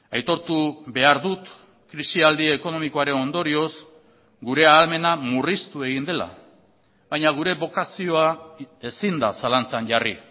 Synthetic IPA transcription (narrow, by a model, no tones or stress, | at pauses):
ajt̪o̞ɾt̪uβe̞aɾðut̪ | kɾisiald̪ieko̞no̞miko̞aɾe̞no̞nd̪o̞ɾio̞s | ɡuɾe̞aːlme̞namurist̪ue̞ɣ̞ind̪e̞la̰ | βajɲaɣ̞uɾe̞βo̞kasio̞ae̞sind̪a̰salant͡sanʝari